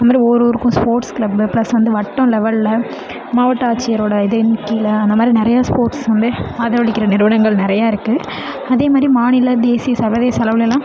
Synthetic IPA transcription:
nɐmaːd̪ɾioɾuːɾɯkːʊ̃spoːɾʈsklɐbɯplɐsʋɐnd̪ɯʋɐʈːɐ̃lɛʋɐllɐ | maːʋɐʈːaːt͡ʃːɪjɐɾoːɽɐɪðɯnkːilɐːnd̪ɐmaːd̪ɾinɪɾɐjaːspoːɾʈsʋɐnd̪ɯaːðɐʋɐɭɪkːɪɾɐnɪɾɯʋɐɽɐŋɡɐɭnɪɾɐjaːɪɾɯkːɯ | ɐðeːmaːd̪ɾimaːɳɪlɐd̪eːsɪjɐsɐɾʋɐðeːjɐsɐlɐʋɯlɛlːãː

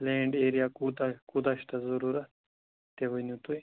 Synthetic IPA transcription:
lẽːɳɖeːɾijakut̪akud̪aɕt̪azɐɾuɾɐ | t̪eʋɐnut̪uj

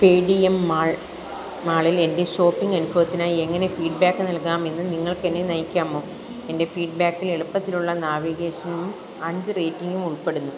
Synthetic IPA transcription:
peːɽijemːaːɭ | maːɭile̞nde̞ɕo̞ːpːiŋɡɐnubʱɐʋɐt̪ːinaːjie̞ŋːɐne̞fiːɖbaːkːɨnɐlkaːme̞nːɨniŋːɐɭkenːenɐjkʲːaːmo̞ː | e̞nde̞fiːɖ̚baːkːile̞ɭupːɐt̪ːiluɭːɐnaːʋiɡe̞ːʂɐnum | ɐɲd͡ʑɨreːtːiŋɡumuɭpe̞ɽunːu

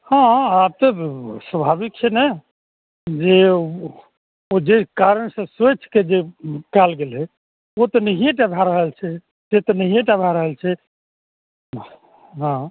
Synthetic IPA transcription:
hãab̚t̪ɔsəbʱabik̚t͡ʃʰɛnɛ | d͡ʒe | od͡ʒekaɾənsə̃set͡ʃʰked͡ʒekalɡelɦɛ | ot̪ənəɦijẽʈabʱaɾəɦəlt͡ʃʰɛ | t̪et̪ənəɦijẽʈabʱaɾəɦəlt͡ʃʰɛ | ɦã

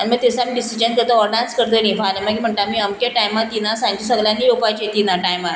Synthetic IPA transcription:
añimət̪esamiɖisid͡ʑənkət̪əɔɾɖãnskəɾt̪ənĩfaləmakim̤əɳʈ̪amiːəmkeʈajmat̪inasãɲd͡ʑisəɡljanːijopat͡ɕet̪inaʈajma

